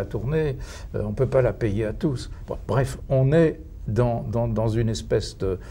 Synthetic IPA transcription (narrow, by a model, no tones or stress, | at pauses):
at̪uʁneø̰ɔ̃pøpalapɛjeat̪usvã̰b̥ʁɛfɔ̃nɛ | d̪ɑ̃d̪ɑ̃d̪ɑ̃zynɛspɛsd̪ə